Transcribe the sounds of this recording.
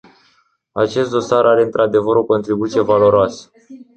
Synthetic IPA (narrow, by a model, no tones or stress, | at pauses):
at͡ʃe̞st̪̚d̪o̞saɾʔaɾe̞ɨnt̪ɾʔad̪e̞vəɾo̞ko̞nt̪ɾibut̪sije̞valo̞ɾoasə̥